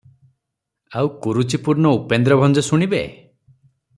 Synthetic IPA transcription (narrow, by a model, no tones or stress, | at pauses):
awkuɾut͡ʃipuɾnɔupend̪ɾɔbʱɔnd͡ʒɔsuɽ̃ibḛ